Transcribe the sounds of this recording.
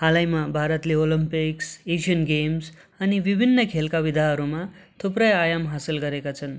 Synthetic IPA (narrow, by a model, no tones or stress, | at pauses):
ɦalajmabʱaɾʌt̪leolimpiksesijʌnɡems | ʌnibibʱinːʌkʰelkabid̪ʱaɦʌɾumat̪ʰuprʌjajamɦasilɡʌɾekat͡sʰʌn